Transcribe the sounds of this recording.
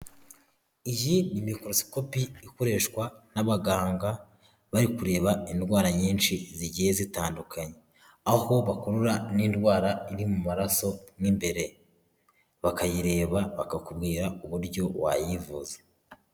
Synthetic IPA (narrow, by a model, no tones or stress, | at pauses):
ijinimiko̞ɾosi̥ko̞piiko̞ɾe̞ːʃkwanaβaɡaːŋɡa | βaɾikuɾe̞ːβaindɡwaːɾaɲiːnʃiziɟije̞zitaːndukʰaɲe | aho̞βakoɾuɾaniːndwaːɾaiɾimumaɾaso̞mŋiːmbe̞ɾe̞ | βakajiɾe̞ːβaβakakubɡiːɾauβuɾɟo̞βwa̰jivuze